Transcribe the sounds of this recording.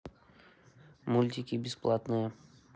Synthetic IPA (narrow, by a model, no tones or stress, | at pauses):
mulʲt̪ʲikʲibʲɪsplˠat̪nɨjə